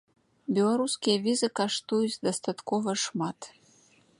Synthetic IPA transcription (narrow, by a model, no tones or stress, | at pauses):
bʲɛlˠaɾuskʲijɐvʲizɨkaʂt̪ujut͡sʲd̪ɐst̪at̪kɔvɐʂmat̪